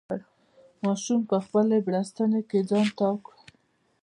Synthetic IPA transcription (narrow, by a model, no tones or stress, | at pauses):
mɑʃumpəxpəlebɽast̪əneked͡zɑnt̪ɑk